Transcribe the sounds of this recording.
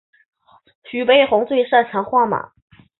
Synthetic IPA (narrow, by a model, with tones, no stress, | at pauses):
ɕy˨˩pe˥ɪxʊ˧˥ŋt͡swe˥˧ɪʂa˥˩t͡ɕʰɑ˧˥ŋxwa˥˩ma̰˨˩˦